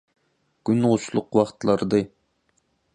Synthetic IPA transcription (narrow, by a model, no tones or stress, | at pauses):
ɡ̥ʲynʁʊʃlˠʊqwɑχt̪lˠɑɾd̪ɨ